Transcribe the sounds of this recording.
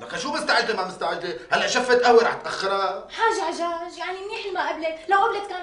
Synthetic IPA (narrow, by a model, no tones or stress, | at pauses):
lakːaʃuːmɪst̪aʕɪd̪lemamɪst̪aʕɪd̪lehalːaʔʃafːet̪ʔawiɾˤɑ̰ħɪt̪ːʔaxːɑɾˤɑħaːʒaʕaʒaːʒjaʕniniħɪlmaʔablelawʔablet̪̚kaːn